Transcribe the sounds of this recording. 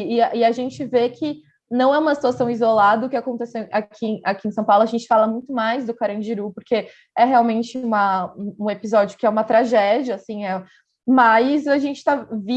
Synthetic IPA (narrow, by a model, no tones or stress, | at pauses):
ɪʔɪaʒẽnt͡ʃɪvekʰɪ | nɐ̃w̃ɛũmɐsi̥t̪uasɐ̃w̃izolad̪ɐʊkɪakõnt̪ɛseakʰĩakiẽsɐ̃w̃pawlʊaʒẽnt͡ʃɪ̥falɐmũj̃t̪ʊmajzd̪ʊkaɾɐ̃d͡ʒiɾupoɾkʰe | ɛɦeawmẽnt͡ʃɪũmɐũũepizɔd͡ʒjʊkɪɛũmɐt̪ɾaʒɛd͡ʒiɐːsĩɛ | majzaʒẽnt͡ʃɪ̥t̪avi